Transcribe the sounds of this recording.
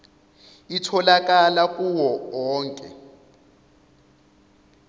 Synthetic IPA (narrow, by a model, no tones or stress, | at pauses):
itʰɔlak̬ʼalakʼuwɔːŋkʼɛ̰